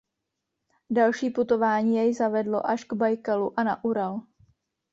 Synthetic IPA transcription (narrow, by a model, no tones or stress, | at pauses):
dalʃiːput̪o̞vaːɲiːjɛjzavɛdlo̞̰ʔaʃɡbajkaluʔanaʔuɾal